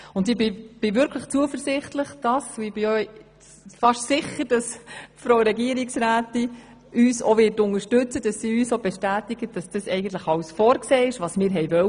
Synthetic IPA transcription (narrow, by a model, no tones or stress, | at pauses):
ʊndɪbɪb̥ɪvʏɾkʰləχt͡suəfəɾsɪχtləχd̥ɑsʊɪb̥ɪœ | fɑʃtsɪχəɾd̥ɑsfɾowɾɛɡiəɾɪksɾæːtɪ | yːsoʋɪːtʊnəʃtʏt͡səd̥ɑsːiːyːsob̥ɛʃtæːtɪɡ̥əd̥ɑsd̥ɑsɛɪɡən̩t̪ləχɑwsfɔːɾkseːɪʃʋɑsmɪːɾɦɛɪjvœ